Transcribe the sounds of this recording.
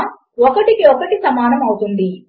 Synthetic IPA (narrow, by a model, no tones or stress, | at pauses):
ɔkɐʈikiɔkɐʈisɐmaːnɐmɐwut̪und̪i